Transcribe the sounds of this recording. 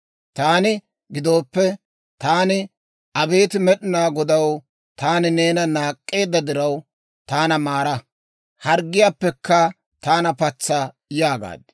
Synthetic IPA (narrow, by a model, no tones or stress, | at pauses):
t̪aːnɪ | ɡɪd̪o̞ːpːɛ | t̪aːnɪ | ʔɐbe̞ːt̪ɪmɛɗɪnaːɡɔd̪ɐw | t̪aːnɪne̞ːnɐnaːkʼːe̞ːd̪ːɐd̪ɪɾɐw | t̪aːnɐmaːɾɐ | hɐɾɡːɪjaːpːɛkːɐ | t̪aːnɐpɐt͡sːɐ | jaːɡa̰ːd̪